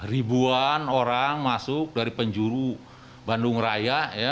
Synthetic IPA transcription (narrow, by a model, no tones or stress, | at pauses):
ribuanoɾaŋmasʊk̚daɾipəɲd͡ʒuɾu | bandʊŋrajaja